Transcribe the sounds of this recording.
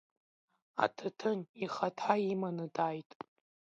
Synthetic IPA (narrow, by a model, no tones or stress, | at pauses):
a̰tʰatʰɨniχatʰaimanɨdʼajtʼ